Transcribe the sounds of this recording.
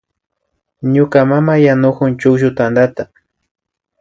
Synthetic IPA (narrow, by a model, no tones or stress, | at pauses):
ɲʊkamamajanʊkʊnt͡ʃʊkʒʊt̪and̪at̪a